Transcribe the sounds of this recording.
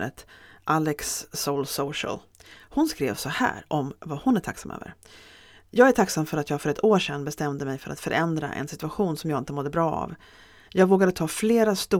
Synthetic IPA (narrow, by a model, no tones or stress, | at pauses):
ə̰t̪ʔalɛksːolsoʂə̰l | hʊnskɾḛːvsɔhæ̰ːɾʔɔmvahʊnæʈʰaksamʔø̰ːvə̰ɾ | jɑːɡæʈʰaksamfœɾat̪jɑːɡfœɾɛt̪ʰoːʂɛnːbɛst̪ɛmd̪əmɛjfœɾʔa̰t̪fœɾʔɛnd̪ɾa̰ʔɛ̰nsɪt̪ɵaɧuːnsɔmjɑɡɪnt̪əmɔd̪ːəbɾɑːa̰v | jɑːɡvoːɡad̪ət̪ʰɑːfleːɾast̪u